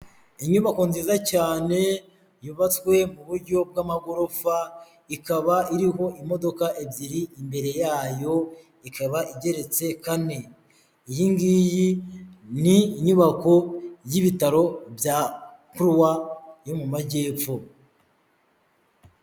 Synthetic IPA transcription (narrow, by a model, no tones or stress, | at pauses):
iɲuβako̞nziːzacaːne̞ | juβat͡swe̞muβuɾɟo̞b̚ɡaːmaɡo̞ɾo̞fa | ikaβaiɾiɦo̞ʔimo̞do̞kaʔebɟiɾiimbe̞ɾe̞jaːjo̞ | ikʰaβaʔiɟe̞ɾe̞t͡se̞kane̞ | ijiŋɡiːjiniɲuβako̞jiβitaɾo̞bja | kuɾwajo̞mumaɟe̞ːfo